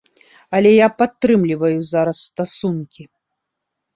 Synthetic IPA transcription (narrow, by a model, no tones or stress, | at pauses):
ɐlʲɛjapat̪ːɾɨmlʲivɐjuzaɾɐsːt̪asunkʲi